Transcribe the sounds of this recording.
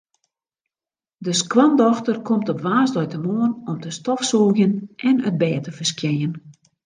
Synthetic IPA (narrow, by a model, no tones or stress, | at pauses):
dəskwɔndɔxtərkʰɔmtɔpʋaːsdɔjtəmoənɔmtəstɔfsuːɣjənɛnəd̚bɛːtəfərskjɛjən